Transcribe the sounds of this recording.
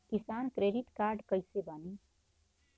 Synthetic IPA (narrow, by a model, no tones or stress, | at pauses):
kisankɾeːɖit̪kaɾɖkəjsebani